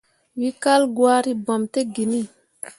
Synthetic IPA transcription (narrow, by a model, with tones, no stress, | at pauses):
wi˦ka˦lɡwaː˦ɾi˦ba˨mt̪e˦ɡi˨ni˦˨